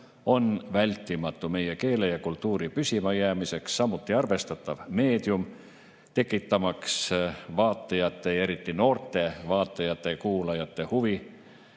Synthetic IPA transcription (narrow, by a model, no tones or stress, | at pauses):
o̞nvælʲt̪ˑːimɑt̪ːˑume̞je̞ke̞ːlejɑkult̪ːˑuːɾipysʲimɑjæːmise̞ksːɑmːut̪ːˑiɑrve̞st̪ɑt̪ːˑɑvme̞ːd̪̥jum | t̪e̞kˑːit̪ːɑmɑksvɑːt̪ˑːɑjɑt̪ːe̞e̞ɾit̪ˑːino̞ːrt̪ˑe̞vɑːt̪ˑːɑjɑt̪ːˑe̞kuːlɑjɑt̪ːˑe̞huvi